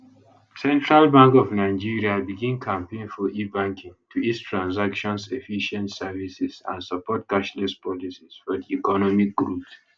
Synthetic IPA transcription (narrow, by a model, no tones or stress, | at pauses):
sɛ̃ntʰɹalbãŋkɔvnaɪd͡ʒiɹiabiɡĩnkʰãmpẽnfɔʔibãŋkʰĩŋtʰuitstʰɹãnsakʃɔ̃nsefiʃɛ̃ntsɛvisizã̰nsapɔt̚kaʃnɛspʰɔlisiz̥fɔdiikɔnɔmik̚ɡɹups